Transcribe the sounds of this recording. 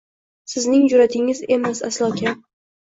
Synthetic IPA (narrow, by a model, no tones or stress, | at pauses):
sɪznɪŋd͡ʒʊɾat̪ʰɪŋɪze̞masa̰slˠɒkʲʰa